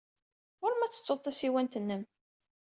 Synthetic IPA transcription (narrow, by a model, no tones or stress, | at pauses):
oɾmæt͡sːə̥t͡sːoðˤθæsiwænt̪ənːəm